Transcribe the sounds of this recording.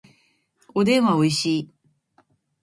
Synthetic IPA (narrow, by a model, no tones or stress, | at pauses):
od̪ẽ̞ɰ̃βaoiɕiː